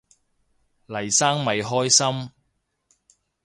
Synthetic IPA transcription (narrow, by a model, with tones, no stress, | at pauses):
lɐ˨˩jsaː˥ŋmɐ˨jɦɔː˥jsɐ˥m